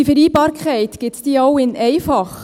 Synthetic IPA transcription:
ifəɾiːbɑːɾkʰχɛɪtɡ̥ɪtd̥iːɑʊɪnɛɪfɑχ

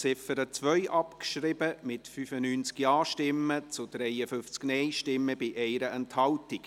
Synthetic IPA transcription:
t͡sɪfəɾət͡sʋœʏʔɑpkʃɾɪbəmɪtfyfənyːnt͡skjɑːʃtɪmːət͡sʊd̥ɾɛɪəfʏnft͡sknɛɪʃtɪmːəb̥ɪʔɛɪɾəʔɛnthɑltik

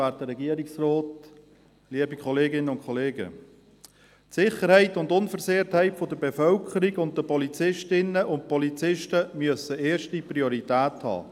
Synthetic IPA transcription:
æːtəɾːɛɡiəɾiksrɔːt | liəbikʰχɔleːɡɪnːənʊntkχɔleːɡə̰ | tsɪχəɾhɛɪtʊndʊnfəɾzeːɾthɛɪtfodəbefœlkʰəɾiɡʊnt̚dəpɔlit͡sɪʃtɪnːəʔʊnt̚pɔlit͡sɪʃtəmyəsəeːɾʃtipɾioɾitæːthɑ̰ː

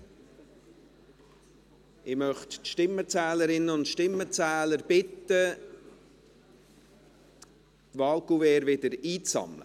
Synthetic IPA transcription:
ɪmœχtʃtɪmːət͡sæːləɾɪnːəʊntʃtɪmːət͡sæːləɾb̥ɪt̪ə | t̪vɑːlkuvɛːɾvɪd̪əɾiːt͡sɑ̰mlə̰

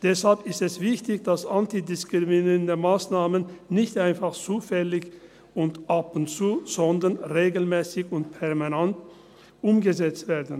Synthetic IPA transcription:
d̥ɛshalpɪstɛsv̥ɪçtɪçd̥asʔantidɪskʁ̥iminiʁəndəmaːsnaːmənːɪçtʔaɪnfaχt͡suːfɛlɪç | ʊntʔapʊntt͡suːz̥ɔndɐnʁeːɡl̩mɛːsɪçʊntpʰɛʁmanant | ʔʊmɡəzɛt͡stv̥eːɐdn̩

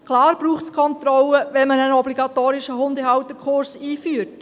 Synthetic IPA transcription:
kʰlɑːɾb̥ɾuːχtskʰɔnt̪ɾɔləʋɛnmənənɔbliɡɑt̪oːɾɪʃəɦʊndəɦɑwt̪əkʰχʊɾsiːfyːɾt

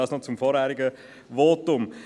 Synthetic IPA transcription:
ɑːsnot͡sʊmfɔːɾhæːɾiɡə | ʋoːtʊm

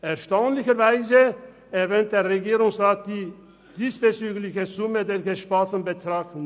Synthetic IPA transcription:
ʔɛɐʃtaʊnlɪçɐvaɪzə | ɛɐvɛːnt̚d̥eːɐʁeɡiːʁʊŋsʁaːt̚d̥iː | d̥iːsfɛt͡syːɡlɪçəzʊmədeːɡəʃpaltən̩bətʁ̥aːkn

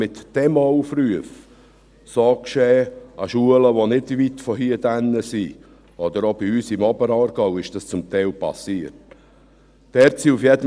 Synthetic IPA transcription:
ɪt̪ːɛmɔʊfryəf | soːkʃɛːaʃuələʋonɪdvit̪fɔɦiːəd̥ænːəsi | ɔd̪əɾob̥iyːsɪmɔbəɾɑːrɡ̥ɑwɪʃd̥ɑst͡sʊmt̪ɛɪlpɑ̰siət̚ | d̥ɛːɾt͡siufjɛd̪ə

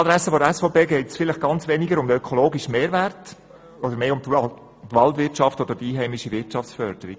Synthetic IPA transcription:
ɑd̪ɾɛsːəfodəɛsfopeːɡɛɪtsfɪləχɡ̥ɑnt͡sʋɛniɡəɾʊmdəøkʰɔloːɡiʃmeːɾʋært | od̪əɾmeːʊmt | tʋɑltʋɪrtʃɑftɔd̪əɾd̥iiːɦɛɪmiʃivɪt͡ʃɑft͡ssfœɾd̥əɾḭ

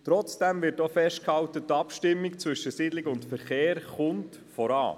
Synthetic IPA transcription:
t̪ɾɔt͡sd̥ɛmvɪɾtofɛʃt̚khɑwtətːɑpʃtɪmːikt͡sʋʏʃəsidlɪɡʊntfəɾχeːɾχʊnt | fɔɾɑ̰ː

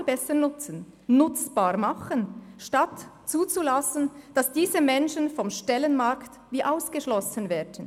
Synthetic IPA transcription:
lb̥ɛsənʊt͡sən | nʊt͡sb̥aːɾmɑχənʃtat | t͡suːt͡sulasən̩d̥ɑsd̥iːzəmɛnʃənfɔmʃtɛlənmaɾkt | viːʔaʊsɡ̥əʃlɔsənvɛːdən̩

